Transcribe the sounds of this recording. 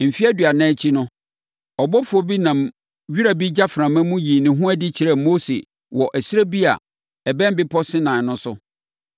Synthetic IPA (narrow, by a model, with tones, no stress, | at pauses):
m̩˨fi˦a˦dɥa˨nã˦t͡ɕʰi˦nʊ̃˦ | ɔ˨bɔ˦fʊ˨ɔ˦bi˦nã˨m | ɥi˦ɾa˨bi˦d͡ʑa˦fɾã˨mæ̃˦mũ˦jiː˨nɪ̃˨ɦũ˦æ˦dɪ˦t͡ɕʰi˨ɾɛ˦˨mo˦sḛ˨ | wɔ˨ʔɛ˨sɪ˦e˦bi˦a̰˨ | ɛ˨bɛ̃˦m˦bɪ˦pʰɔ˦sɪ̃˦nã˨nʊ̃˦sʊ˦